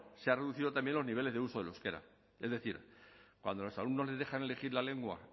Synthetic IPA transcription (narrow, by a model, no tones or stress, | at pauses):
seare̞ðuθiðo̞t̪ambje̞nloniβ̞ele̞zðeuso̞ðe̞loske̞ɾa̰ | e̞zðe̞θiɾkwa̰nd̪o̞lo̞salumnole̞zðe̞xane̞le̞xiɾlale̞ŋɡwa̰